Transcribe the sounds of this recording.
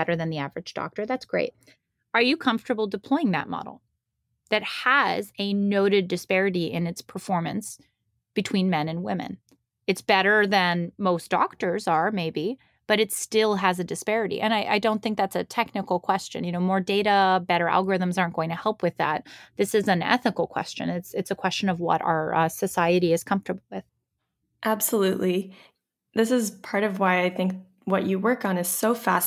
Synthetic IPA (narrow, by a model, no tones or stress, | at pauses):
ɛɾə˞ðɨ̃nðiævə˞ɨd͡ʒdɔ̰k̚tə˞ðætsɡ̥ɹeɪt̚ | ə˞jɨkʰʌ̃ɱftə˞bl̩ˠdɨpʰl̥ɔɪɪ̃ŋðɨ̰t̚mɑ̰ɾl̩ˠ | ðɨt̚həzɨnoʊɾɨdɨspɛɹɨɾiʔɪ̰̃nɨtspʰə˞fɔɹmɨ̰̃ns | b̥ɨtʰw̥ĩnmɛ̃nɨ̃nwɪ̰̃mɨ̰̃n | ɨtsb̥ɛɾə˞ðɨ̃nmoʊsd̥ɔ̰k̚tə˞zə˞meɪbi | b̥ʌɾɨtstɪlˠɨzɨdɨspɛɹɨɾḭʔɨ̃naɪʔa̰ɪdõʊ̃nθɪ̃ŋk̚ðætsɨtʰɛk̚nɨkl̩ˠkʰw̥ɛst͡ʃɨ̰̃njɨnoʊmɔɹdeɪɾəbɛɾə˞ʔæ̰lˠɡə˞ɪðə̃m̩zɑɹnɡ̥oʊɪ̃ŋtʰɨhɛlˠpʰwɨðæ̰t̪̚ðɪsɨzɨ̃nɛ̰θɨkl̩ˠkʰw̥ɛ̰st͡ʃɨ̰̃nɪtsɨtsəkʰw̥ɛst͡ʃɨ̃nʌvwʌ̰ɾa̰ə˞ʔʌsɨsaɪɨɾiɨz̥kʰʌ̃ɱftə˞bl̩ˠwɪð̥ | ʔæb̥səlʉʔli | ðɪsɨzpʰɑɹɾʌvwaɪaɪθɪ̃ŋk̚ | wʌt͡ʃɨwɜ˞kn̩ɨz̥soʊfæs